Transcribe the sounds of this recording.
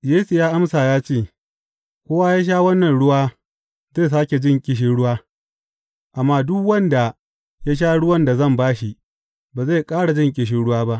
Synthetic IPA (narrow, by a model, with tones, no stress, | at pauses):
jeː˦su˨jaː˦ʔa˦msaː˨jaː˦t͡ʃeː˦˨ | kʷoː˦waː˦jaː˦ʃ̬aː˦wɐ˦nːɐ˨nɽʊ˦waː˦ | zeː˦˨s̬aː˦kʲe˨d͡ʒɪ˦˨ŋkʲʼɪ˨ʃ̬ɪ˦ɽʊ˦waː˦ | ʔa˨mːaː˦dʊ˦kwɐ˦nda˨ | ja˦ʃ̬aː˦ɽʊ˦wɐ˦nda˨zɐ˦˨mbaː˦ʃi˦ | baː˨za˦˨kʼaː˦ɽa˨d͡ʒɪ˦ŋkʲʼɪ˨ʃ̬ɪ˦ɽʊ˦waː˦ba˦ʔ